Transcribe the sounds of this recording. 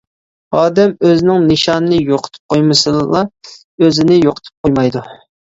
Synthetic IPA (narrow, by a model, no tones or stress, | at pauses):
ɑːd̪ɛmøzɪnɪŋnɨʃɑnɨnɨjoqʰə̥t̪ʰɨ̥p̚qʰojmɨsɨlˠɑ | øzɪnɪjoqʰə̥t̪ʰɨ̥p̚qʰojmɑjd̪u